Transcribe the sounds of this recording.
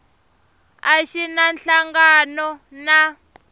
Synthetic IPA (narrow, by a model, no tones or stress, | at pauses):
aʃinanɬaŋɡanɔna